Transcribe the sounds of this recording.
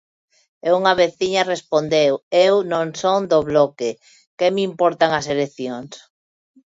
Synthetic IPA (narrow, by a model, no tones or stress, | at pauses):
euŋaβeθiɲarespond̪ewewnõŋsoŋd̪oβlɔke | kemimpɔɾt̪aŋɐselekθjoŋs